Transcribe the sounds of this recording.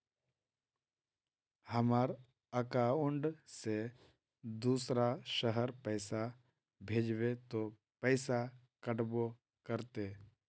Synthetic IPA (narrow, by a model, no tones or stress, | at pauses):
həmaːɾ | əkaʊ̃ɳɖse | d̪uːsɾaʃəɦəɾpɛɪsa | bʱeːd͡ʒʋet̪o | pɛɪsa | kəʈbo | kəɾt̪eː